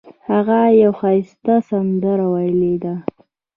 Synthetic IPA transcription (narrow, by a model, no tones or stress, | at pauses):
haɣajawxɑjɪst̪asand̪aɾawajled̪a